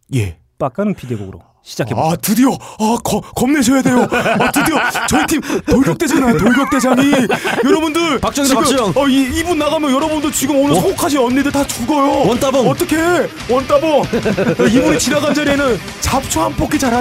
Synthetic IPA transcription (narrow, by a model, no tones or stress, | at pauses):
je̞̰ | p͈ak͈anɯnpideɡo̰ɡɯɾo̰ | ɕʰid͡ʑakʰeatɯdijʌakʌkʌmne̞ɕʰʌjade̞joatɯd̪iʌt͡ɕʌitʰimtoɭɡʌk̚t͈ed͡ʑanaotoɭɡjʌk̚t͈e̞d͡ʑaŋijʌɾʌbundɯɾpak̚t͡ɕ͈ʌʌiibunːaɣamjʌnjʌɾʌbundɯɭt͡ɕiɡɯmonɯɭsʰoŋɡokʰaɕʰiʌnːidɯɭtat͡ɕuɡʌjotʌt͈ʌkʰe̞ | wʌnt͈abʌnaibunit͡ɕinaɡand͡ʑʌɾenɯn | t͡ɕap̚t͡ɕʰoɦanpʰokʰit͡ɕaɾɦa